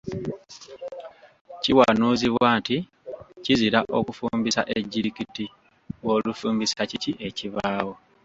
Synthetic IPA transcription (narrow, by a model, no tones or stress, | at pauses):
ciwanuːziβwaːnti | ciziɾaʔokufumbisaʔeɟːiɾikiti | wo̞ːlufuːmbisaciciʔe̞ciβaːwo